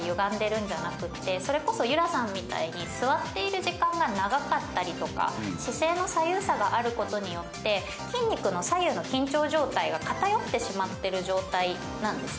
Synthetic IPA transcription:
jɯ̟ɡãnd̪e̞ɾɯ̟̃ɲ̟d͡ʑanakɯ̟t̪ːe̞so̞ɾe̞ko̞so̞jɯ̟ɾasãmːʲit̪a̰iɲ̟isɨβat̪ːe̞iɾɯ̟ʑikãŋɡanaɡakat̪ːaɾʲit̪o̞ka̰ɕise̞ːno̞sajɯːsaɡaʔaɾɯ̟ko̞t̪o̞ɲ̟ijo̞t̪ːe̞ | kʲĩɲ̟ːikɯ̟no̞sajɯ̟ːno̞kʲĩɲt͡ɕo̞ːʑo̞ːt̪aiɡakat̪ajo̞t̪ːe̞ɕimat̪ːe̞ɾɯ̟ʑo̞ːt̪ai | nãnd̪e̞s

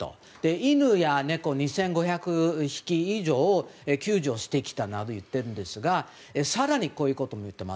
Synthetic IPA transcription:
t̪o̰ | d̪̥e̞inɯ̟jane̞ko̞ːɲ̟isẽ̞ŋɡo̞çakɯ̟çi̥kʲiːʑo̞ːekʲɨːʑo̞ːɕi̥t̪e̞kʲi̥t̪anad̪ojɯ̟t̪ːe̞ɾɯ̟nd̪e̞sɨɡa | esaɾaɲ̟ikoːjɯ̟ːko̞t̪o̞mo̞jɯ̟t̪ːe̞ma̰

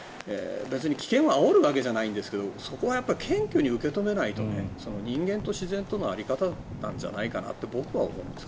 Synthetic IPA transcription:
ḛbe̞t͡sɨɲ̟ikʲi̥kẽ̞ɰ̃βaːoɾɯ̟βak̬e̞ʑanaĩnd̪esɨ̥ke̞d̪o̞so̞ko̞βajapːaikʰẽ̞ŋkʲɨɲ̟iɯ̟ke̞t̪o̞me̞nait̪o̞ne̞̰so̞no̞ɲ̟ĩŋɡẽ̞nt̪o̞ɕizẽ̞nt̪o̞noaɾʲikat̪anã̰ɲ̟d͡ʑa̰naikana̰t̪ːe̞bo̞kɯ̟βao̞̰mõ̞ɯ̃nd̪eskḁ

